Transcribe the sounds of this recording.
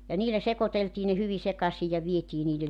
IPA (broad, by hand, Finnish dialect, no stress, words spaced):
jɑ niːlæ sekoteltiː ne hyʋi sekɑsij jɑ ʋietiː niːlel